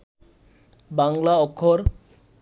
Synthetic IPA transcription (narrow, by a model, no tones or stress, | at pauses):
baŋlaɔkʰːoɾ